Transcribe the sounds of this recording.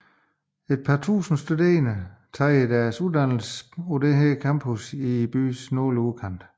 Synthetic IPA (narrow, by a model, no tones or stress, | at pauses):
e̝d̥̚pʰɑ̈ːt͡sʰṵːsn̩sd̥ude̝̰ːɐnət͡sʰɑ̈ːid̥æɐsuðˠd̥æn̰l̩sɔd̥eɦekʰɑmb̥ʰusib̥y̰ːsnɔːluðˠkʰɑn̰d̥